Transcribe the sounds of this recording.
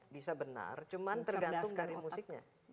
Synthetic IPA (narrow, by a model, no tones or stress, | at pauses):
bisabəna̰rt͡ʃumant̪ərɡant̪ʊŋkaɾimusɪk̚ɲa̰